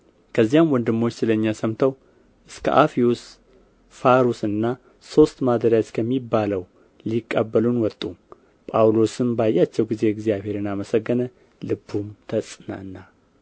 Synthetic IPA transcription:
kʰəzːijamwɔnd̪ɨmːo̞t͡ʃːsɨləɲːasəmt̪ʰəw | ʔɨskʰə̰ʔafius | faɾusɨnːa | so̞st̪mad̪əɾjat͡ʃ̪kʰəmːibːaləw | likʼːəbːəlunwɔt̪ʼːu | pʼawlo̞sɨmbajːat͡ʃːɛwɡize̞ɨɡzijaβhe̞ɾɨnaməsəɡːənə | lɨbːumt̪ʰəsʼɨna̰nːa

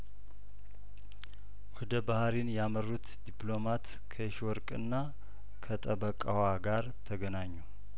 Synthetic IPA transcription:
wɔd̪əbahɾinjamərːut̪d̪iplo̞mat̪ | kʰəɪʃwɔɾkʼɨ̰nːa | kʰət̪ʼəbəkʼawaɡaɾt̪ʰəɡənaɲːu

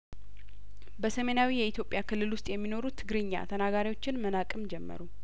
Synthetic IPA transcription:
bəsəmenawijɛit̪jo̞pʼjakʰɨlːɨlwʊst̪ʼjɛmːino̞ɾut̪ʰːɨɡɾɨɲːa̰t̪ʰənaɡaɾiwo̞t͡ʃːɪnmənakʼɨmd͡ʒɛmːə̰ɾu

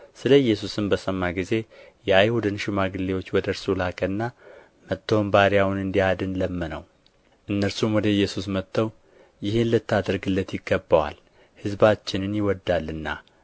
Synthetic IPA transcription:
sɨləjːɛsusɨmbəsəmːaɡize̞ | jɛajhud̪ɨnʃɪmaɡɨlːewot͡ʃːwɔd̪əɾsulakʼənːa | mət̪ʰːombaɾijawnɨnd̪iad̪ɨnləmːənə̰w | ʔɨnːəɾsumwɔd̪əjːɛsusmət̪ʰːəw | jɪhenlət̪ʰːad̪əɾɡɨlːət̪jɪɡːəbːəwa̰l | hɨzbat͡ʃːɪnɨnjɪwɔd̪ːalːɨnːa̰

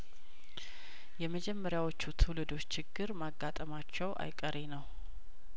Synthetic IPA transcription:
jɛməd͡ʒɛmːəɾjawo̞t͡ʃːut̪ʰulɨd̪o̞t͡ʃːɪɡːɨɾmaɡːat̪ʼəmat͡ʃːɛwʔa̰jkʼəɾenəw

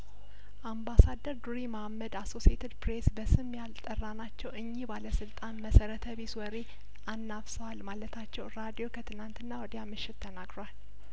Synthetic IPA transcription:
ʔambasad̪ːəɾd̪uɾiməhamːəd̪aso̞siet̪ʰid̪pɾesbəsɨmjalt̪ʼərːanat͡ʃːɛwɨɲːibaləsɨlt̪ʼanməsəɾət̪ʰəβeswɔɾe̞ | ʔanːafsəwalmalət̪ʰat͡ʃːɛwɾad̪ijo̞kʰət̪ʰɨnant̪ɨnːawɔd̪jamɨʃːɪt̪ʰːənaɡɾoal

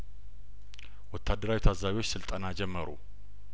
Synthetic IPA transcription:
wɔt̪ʰːad̪ːəɾawit̪ʰazaβiwot͡ʃːsɨlt̪ʼənad͡ʒɛmːəɾṵ

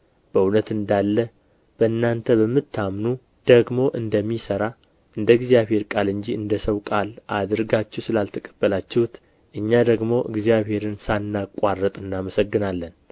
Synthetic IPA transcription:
b̥əunət̪ɨnd̪alːə | b̥əɨnːant̪ʰəbəmːɨt̪ʰːamnu | d̪̥əɡmo̞ʔɨnd̪əmːisəɾa | ʔɨnd̪əɨɡzijaβhe̞ɾkʼalɨɲd͡ʒiɨnd̪əsəwkʼalʔad̪ɨɾɡat͡ʃːɛwsɨlalt̪ʰəkʼə̥b̥ːəlat͡ʃːɛhwut̪ | ʔɨɲːad̪əɡmo̞ʔɨ̰ɡzijaβhe̞ɾɨnsanːakʷʼarːət̪ʼɨnːaməsəɡːɨnalːən

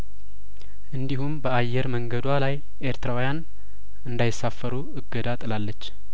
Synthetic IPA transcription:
ʔɨnd̪ihumbəajːɛɾməŋɡəd̪walaj | ʔeɾt̪ʰəɾawjan | ɨnd̪ajɪsːafːəɾuɨɡːəd̪at̪ʼɨlalːət͡ʃː

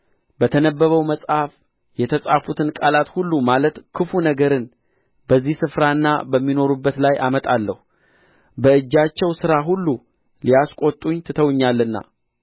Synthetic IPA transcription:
bət̪ʰənəbːəβəwməsʼhaf | jɛt̪ʰəsʼafut̪ʰɨnkʼalat̪hulːumalət̪kʰɨfunəɡəɾɨn | bəzːihsɨfɾanːa̰bəmːino̞ɾubːət̪lajʔamət̪ʼalːəhu | bəɨd͡ʒːat͡ʃːɛwsɨɾaɦulːu | lijaskʼot̪ʼuɲt̪ʰɨt̪ʰəwɲːalːɨnːa̰

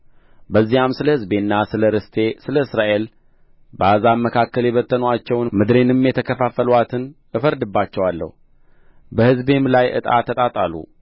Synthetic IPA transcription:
bəzːijamsɨləhɨzbenːasɨləɾɨst̪ʰe̞sɨləɨsɾaʔe̞l | bəazamːəkʰakːəljɛβət̪ːənat͡ʃːɛwnmɨd̪ɾe̞nɨmjɛt̪ʰəkʰəfafːəlwat̪ʰɨn | ɨfəɾd̪ɨbːat͡ʃːɛwalːə̰h | bəhɨzbe̞mlajʔɨ̰t̪ʼa̰t̪ʰːət̪ʼat̪ʼalṵ

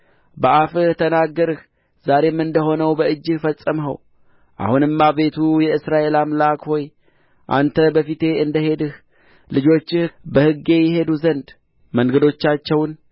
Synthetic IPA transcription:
bəʔafɨht̪ʰənaɡːəɾɨh | z̥aɾe̞mːɨnd̪əɦo̞nəwbəɨd͡ʒːɨfəsʼːəmɦə̰w | ʔa̰hunɨmːaβe̞t̪ʰujɛɨsɾaʔe̞lamlakho̞j | ʔa̰nt̪ʰəbəfit̪e̞ɨnd̪əɦe̞d̪ɨh | lɨd͡ʒo̞t͡ʃːɨhbəhɨɡe̞jɛɦe̞d̪uzənd̪ | məŋɡəd̪o̞t͡ʃːat͡ʃːɛwn

